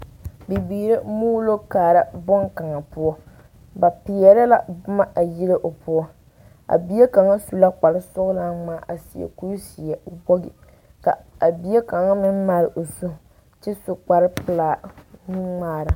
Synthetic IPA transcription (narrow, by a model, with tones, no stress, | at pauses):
bi˨biː˨ɾe˦muː˦lo˦kaː˨ɾa˦bɔ˦ŋka˨ŋa˨pʊ˦ɔ˦ | ba˨pɪ˨jɛ˦ɾa˦la̰˦bʊ˦ma˦ʔa˨ji˦lɪ˦ʔo˨pʊ˦ɔ˦ | a̰˨bi˦e˦ka˨ŋa˦su˨la˦k͡pa˨lɪ˦sʊ˦ɣla˦ŋ͡maː˦˨ʔa˨si˨jɛ̰˨ku˦jsi˨ɛ˨o˨bɔ˦ɡɪ̰˨ | ka̰˨a˨bi˨˦e˦ka˨ŋa˦mɪ˦nma˦ɾɪ˨ʔo˨su˦ | t͡ʃɪ˦sʊ˨k͡pa˨ɾɪ˦pɨ˨laː˨nɪ˦ŋ͡maː˦˨ɾa˨